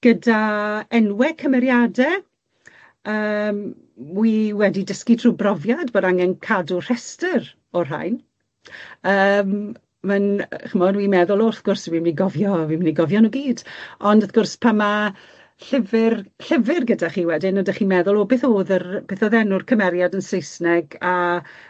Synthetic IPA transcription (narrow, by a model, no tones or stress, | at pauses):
ɡ̥ədaɛnwɛkʰəmɛɾjadɛ | əːm | wiwɛdidəskitʰruːbrɔvjadbodaŋɛnkʰadʊr̥ɛstər | ɔr̥a̰jn | əːm | manχəmɔnwimɛðʊlˠoːəθɡ̥ʊrswimniɡɔvjɔwiməniɡɔvjɔnuɡiːdɔndəθɡ̥ʊrspʰama | ɬɪvɪrɬɪvɪrɡədaχiːwɛdɪnədaχiːmɛðʊlˠoːbeːθoːðərb̥eːθɔðɛnʊrkʰəmɛɾjadənsejsnɛɡa